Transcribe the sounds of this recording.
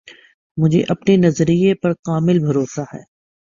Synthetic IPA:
mʊd͡ʒʱḛʔɐpnenɐzɾijepɐɾqaːmɪlbʱɐɾoːsaɦɛ̰ː

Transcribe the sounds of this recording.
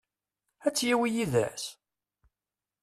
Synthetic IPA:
æt͡sːjiwijiðæ̰s

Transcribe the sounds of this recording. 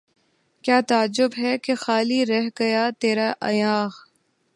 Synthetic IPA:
kjaːt̪aːd͡ʒʊbɦɛkexaːliːɾɛɦɡɐjaːt̪eːɾaːʔɐ̰jaːx

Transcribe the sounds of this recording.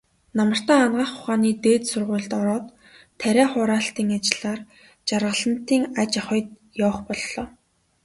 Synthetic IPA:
namə̆r̥t̪æːanɢaːχʊχaːniːt̪eːt̪sʊrʁʊ̟ːɮt̪ɔɾɔːt̪ʰː | æɾʲæːχʊːɾaːɬt̪iːŋat͡ɕɪɮaːr | t͡ɕarʁə̆ɮə̆n̥t̪iːŋat͡ɕaχɞ̆jt̪̚ | jɔːχpɔɮːɔː

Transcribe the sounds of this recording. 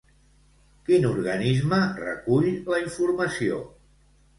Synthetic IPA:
kinuɾɣənizmərə̰kuʎləiɱfuɾməsio̰

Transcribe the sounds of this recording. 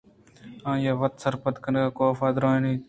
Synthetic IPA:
ãːjaːʋət̪səɾpət̪kənɡaːkoːfaːd̪ɾõːeniː

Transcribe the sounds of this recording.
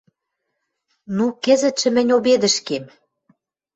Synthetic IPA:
nukɘ̆zɘ̆t̪ʃɘ̆mɘ̆nʲoβed̪ɘ̆ʃkem

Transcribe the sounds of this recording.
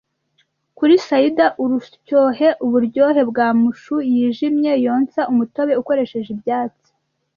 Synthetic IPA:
kuɾisajidaʔuɾucoːɦe̞ʔuβuɾɟo̞ːɦe̞bɡaːmuʃujiːʒimɲe̞jo̞ːnsaʔumuto̞βe̞uko̞ɾe̞ʃe̞ʒibjaːt͡si̥

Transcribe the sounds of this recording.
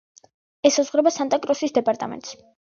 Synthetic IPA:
ɛsazʁɾɛbasant̪ʼakʼɾɔsisd̪ɛpʼaɾt̪ʼa̰mɛ̰nt̪s

